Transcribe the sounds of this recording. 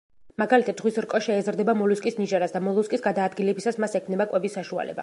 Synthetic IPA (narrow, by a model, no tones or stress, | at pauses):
maɡalit̪ʰatd̪ʁwisɾkʼɔʃɛːzɾd̪ɛbamɔluskʼisniʒaɾasd̪amɔlˠɔskʼisɡad̪aːd̪ɡilɛbisasmasɛkʰmnɛbakʼwɛbisːaʃua̰lɛ̰ba̰